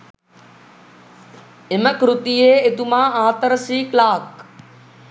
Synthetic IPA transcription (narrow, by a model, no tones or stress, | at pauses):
ɪməkɾʊt̪iːeːɪt̪umãːaːt̪əɾəsiːklaːk̚